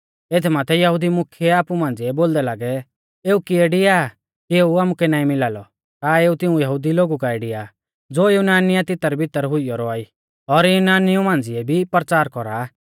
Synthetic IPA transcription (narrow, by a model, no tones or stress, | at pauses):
et̪ʰɛmaːt̪ʰɛjɐɦud̪imʊkʰjɛaːpumãːnd͡zɪɛboːld̪ɛlaːɡɛ | eːukieːɖɪaː | kieːuaːmukɛnaːĩmɪlaːlɔ | t̪aːeːut̪ɪũjɐɦud̪iloːɡukaeːɖɪja | d͡zoːjunaːnɪjat̪ɪt̪aɾɛbʱɪt̪əɾɦʊijɔɾɔaːi | ɔɾjʊnaːnɪjumãːnd͡zɪɛbʱipɾt͡saːɾkɔɾa